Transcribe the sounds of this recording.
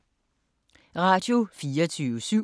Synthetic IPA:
ʁɑ̈ːd̥jo̝fiːʌt͡sʰyːʋəsyʊ̰

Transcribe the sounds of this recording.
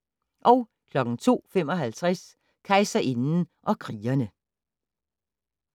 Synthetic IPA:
ʔɒ̽ʊ | kʰlɒ̽ɡ̥n̩t͡sʰo̝̰ːfemɒ̽ɦælt͡sʰʁas | kʰɑɪsɐʔe̝nn̩ʔɒ̽kʰʁiːɐnə

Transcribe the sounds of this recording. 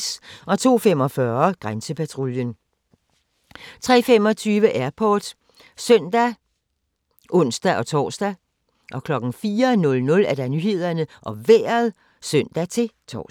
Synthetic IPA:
sɒ̽t͡sʰo̝̰ːfem̰ɒ̽fɶɐɡ̥ʁansəpʰæt͡sʰʁoljən | t͡sʰʁɛ̰ːfem̰ɒ̽t͡sʰyːʋəʔæɐpʰɒːd̥ | sœn̰d̥æ | ʔɔ̽n̰sd̥æʔɒ̽t͡sʰɒ̰ːsd̥æ | ʔɒ̽kʰlɒ̽ɡ̥n̩fiːɐnɔ̽lnɔ̽læd̥ænyhe̝ð̞̰ˠɐnəʔɒ̽ʋḛːɐð̩ˠ | søn̰d̥æt͡sʰe̝t͡sʰɒ̰

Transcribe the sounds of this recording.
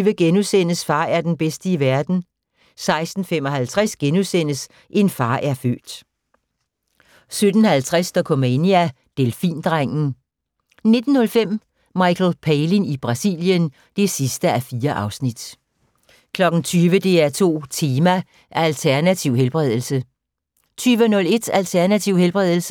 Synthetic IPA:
ʋəɡ̥enusen̰əsfɑ̈ːæɐd̥enb̥esd̥əiʋæɐd̥n̩ | sɑ̈ɪsd̥n̩fem̰ɒ̽hælt͡sʰʁasɡ̥enuðˠsen̰əs | ʔe̝nfɑ̈ːʔæɐfø̰ːd̥ | sød̥n̩hælt͡sʰʁasd̥ɒkʰomeniæ | d̥elfḭːnd̥ʁaŋ̰n̩ | ne̝d̥n̩hɔ̽lfem̰ | mɑ̈ɪkʰl̩pʰeɪlinib̥ʁɑ̈sḭljən | d̥e̝sisd̥əæfiːɐʔɑ̈ʊsnid̥ | kʰlɒ̽ɡ̥n̩t͡sʰyːʋəd̥e̝æɐt͡sʰo̝̰ːt͡sʰe̝ːmæ | ʔælt͡sʰæɐnæt͡sʰiʊɦelb̥ʁɛð̞ˠl̩sə | t͡sʰyːʋənɔ̽le̝d̥ælt͡sʰæɐnæt͡sʰiʊ̰helb̥ʁɛð̞̰ˠl̩sə

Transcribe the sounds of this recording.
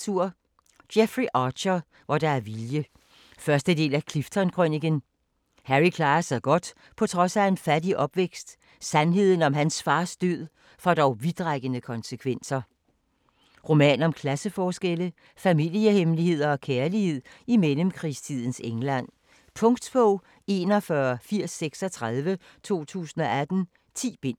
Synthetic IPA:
uɐ̰ | d̥jefʁiʔɑ̈ːɕɐ | ʋɒd̥ɑ̈æɐʋiljə | fɶɐsd̥əd̥e̝̰ːlækʰlifd̥ʰɒnkʰʁøniɡ̥ən | hæʁikʰlɑ̈ːɐsɑ̈ɪɡ̥ɒ̽d̥ | pʰɒ̽t͡sʰʁɒ̽sæe̝nfæd̥iʔɒ̽b̥ʋeɡ̥sd̥ | sænɦe̝ð̰ˠn̩ɒ̽mɦænsfɑ̈ːsd̥øð̰ˠ | fɒ̽d̥ɒʊʋid̥ʁɑɡ̥ənəkʰɒ̽nsəkʰʋen̰sɐ | ʁo̝mɛ̰ːnɒ̽mkʰlæsəfɒːsɡ̥elə | fæmil̰əhemlihe̝ð̞̰ˠɐɒ̽kʰæɐlihe̝ð̞̰ˠ | imeləmkʰʁḭst͡sʰið̰ˠn̩seŋlæn̰ | pʰɔ̽ŋɡd̥b̥ɔ | e̝nɒ̽fɶɐfiɐ̰sːeɡ̥sɒ̽t͡sʰʁaðˠʋə | t͡sʰo̝̰ːt͡sʰṵːsn̩ɒ̽æd̥n̩ | t͡sʰḭːb̥e̝n̰

